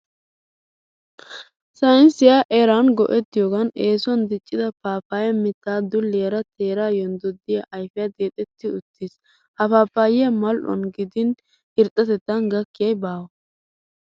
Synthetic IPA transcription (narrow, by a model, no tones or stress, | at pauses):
sɐnsɪjaʔɛɾanɡɔ̰ʔɛt̪ːɪjɔːɡɐneːsɔnd̪ɪt͡ʃʼːɪd̪ɐpaːpaːjɐmɪt̪ːaːd̪ʊlːeɾɐt̪ʰeːɾaːjɔnd̪ɔd̪ːɪjɐʔɐjfɛjɐd̪eːt̪ʼɛt̪ːɪʊt̪ːis | hɐpaːpːaːjɪjɐmɐlʔɔ̰nɡɪd̪ɪn | ɪɾt̪ʼːɐt̪ɛt̪ːɐnɡɐkːɪjɐjbaːwɐ